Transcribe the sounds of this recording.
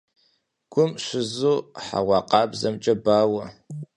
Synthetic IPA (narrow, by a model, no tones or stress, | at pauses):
ɡ̥ʷʊmʃʷɪzuːħa̰ʁʷɑːqʼɑːbzɐmt͡ʃʼɐbaːwɐ